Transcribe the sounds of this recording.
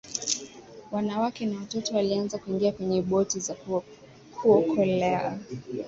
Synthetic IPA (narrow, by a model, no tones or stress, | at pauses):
wanawakɛnawatɔtɔwalianzakuiŋɡiakwɛɲɛɓɔtiza | kʰuɔkʰɔlɛa